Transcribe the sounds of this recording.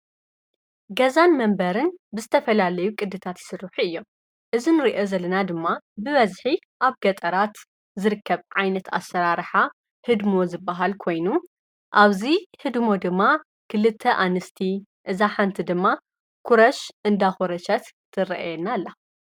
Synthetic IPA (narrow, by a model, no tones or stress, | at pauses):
ɡɐzanmɐmbɐɾɨnbɨzɨt̪ʰɐfɐlalɐjukʼɨd̪ːɨt̪ʰat̪jɪ̥sɨɾːɨħuɨjːo̞m | ʔɨzinɨɾiʔozɐlɐnad̪ɨmːabɨβɐzħi | ʔaβɡɐt̪ʼɐɾat̪ | zɨɾɨkːɐβʕajnɐt̪ʰa̰sːɐɾaɾħa | hɨd̪mo̞zɨbːɐɦalkʰo̞jnu | ʔaβzihɨd̪mo̞d̪ɨmːa | kʰɨlɨt̪ʰːɐʔanɨst̪ʰiʔɨzaħant̪ʰid̪ɨmːa | kʰuɾɐʃʔɨnd̪axuɾɐʃɐt̪ʰː | ɨɾɐ̰ʔa̰jɛnːalːa